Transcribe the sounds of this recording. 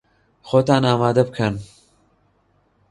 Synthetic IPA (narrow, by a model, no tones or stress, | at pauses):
xoːt̪aːnaːmaːd̪ɐbɨkʰɐn